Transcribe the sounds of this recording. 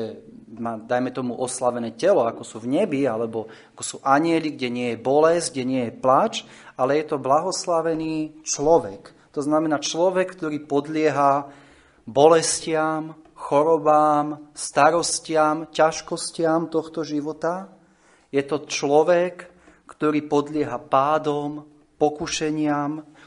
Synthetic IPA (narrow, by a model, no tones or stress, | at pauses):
ɛmaːd̪ajmɛt̪ɔmuʔɔslaʋɛnɛːcɛlɔakɔsuvɲɛbialɛbɔ | akɔsuːʔaɲɪɛliɡɟɛɲɪɛjɛbɔlɛzɡɟɛɲɪɛjɛplat͡ʃ | alɛjɛt̪ɔblaɦɔslaʋɛniːt͡ʃlɔʋɛk | t̪ɔznamɛnaːt͡ʃlɔʋɛkːt̪ɔɾiːpɔd̪lɪɛɦa | bɔlɛscɪam | xɔɾɔbaːmst̪aɾɔscɪamcaʃkɔscɪamt̪ɔxt̪ɔʒiʋɔt̪a | jɛt̪ɔt͡ʃlɔʋɛkː | t̪ɔɾiːpɔd̪lɪɛɦapaːd̪ɔm | pɔkuʃɛɲɪam